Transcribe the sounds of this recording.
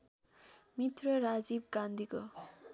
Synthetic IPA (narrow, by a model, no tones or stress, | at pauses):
mit̪ɾʌɾad͡ʒib̚ɡand̪ʱikʌ